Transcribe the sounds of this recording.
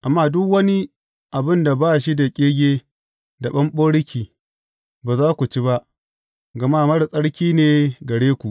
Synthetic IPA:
ʔa˨mːaː˦˨dʊ˦kwɐ˦ni˦ | ʔa˨bɪ˦nda˨baː˦˨ʃi˦da˨kʲʼeː˦ɡʲeː˦ | da˨ɓɐ˦mɓoː˦ɽɪ˦kʲiː˨ | baː˨zaː˦kʷu˨t͡ʃi˦ba˦ʔ | ɡɐ˨maː˦˨mɐ˦ɽsʼɐ˦ɽkʲiː˦neː˨ɡɐ˨ɽeː˦kʷu˨ʔ

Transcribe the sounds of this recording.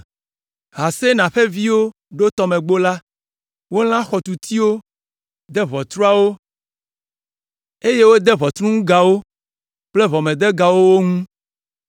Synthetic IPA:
ɦa˨se˦nã˨ɸe˦vi˦wo˦ | ɖo˦t̪ɔ˨˦mẽ˨ɡ͡bo˦la˦ | wo˦l̃ã˦xɔ˨t̪u˨t̪ʰi˦wo˦ | d̪ɛ˦βɔ˨t̪ɾu˦a˦wo˦ | e˦je˦wo˦d̪ɛ˦βɔ˨t̪ɾũ˦ŋũ˦ɡa˨wo˦ | k͡ple˦βɔ˨mẽ˨d̪ɛ˦ɡa˨wo˦wo˦ŋũ˦

